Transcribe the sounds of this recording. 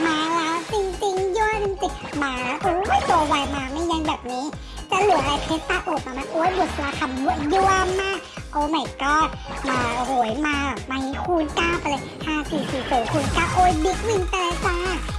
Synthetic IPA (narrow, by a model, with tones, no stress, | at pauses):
maː˨˦lɛː˦˥wt͡ɕi˧ŋt͡ɕi˧ŋju˧˥˩əjni˧˦t̪i˨˩t̚maː˧˦ʔoː˧˦ma˥˩jt̪o˧waː˧jmaː˧ma˥˩ja˧ŋbɛː˨˩p̚niː˦˥ | t͡ɕa˧˩lɯ˨˩˦ʔa˧ɾa˧jpʰeː˦˥tt̪aː˧˥˩ʔoː˨˩t̚maː˧ma˧˩ʔoː˧˦jbu˨˩sʰaː˧kʰa˧˩mju˧˦ju˧˥əmːaː˥˩k̚ | ʔo˧˩ma˨˩kɔː˧˥˩ | maː˧˩˧ho˨˩˦jmaː˧˨˩maː˧hi˨˧˦kʰuː˧nkaː˥˩pa˧lɤ˧jhaː˥˩siː˨˩siː˨˩soː˨˦kʰuː˧nkaː˧˩ʔoː˧˩˦jbi˦˥k̚ni˧ŋpa˧la˧jkaː˧˩